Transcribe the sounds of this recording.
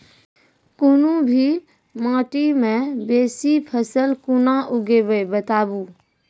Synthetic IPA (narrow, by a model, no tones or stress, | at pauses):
kʊnũbʱi | mãːʈimẽbeːsipʰəsəlkʊnaʔʊɡebəbət̪aːbu